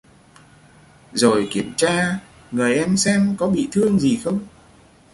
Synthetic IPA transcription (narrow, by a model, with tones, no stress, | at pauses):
zo˨˩jki˧˩əmt͡ɕaː˧ | ŋɨ˨˩əjʔɛ˧msɛ˧mkɔ˨˦ɓḭ˧˨t̪ʰɨ˧əŋzi˨˩xə˧wŋ͡m